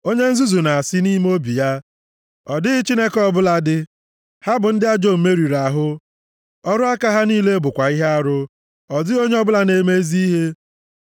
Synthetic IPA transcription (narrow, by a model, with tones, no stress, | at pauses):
o˦ɲe˦n̩˦zu˦zu˨na˨a˨sɪ˦ni˦m˦o˦bi˨ja˦ | ɔ˨dɪ˦ɪ˦t͡ʃi˦ne˦kɔ˦bʊ˦la˦dɪ˦ | ha˦bʊ˨n̩˦dɪ˦a˦d͡ʒo˦˨me˦ɾi˨ɾa˨ɦʊ˦ | ɔ˦ɾʊ˦a˦ka˦ɦa˦niː˦le˦bʊ˨kʷa˨i˦ɦe˦a˦ɾʊ˦ | ɔ˨zɪ˦o˦ɲe˦ɔ˦bʊ˦la˦ne˨˦me˦zi˦ɦe˦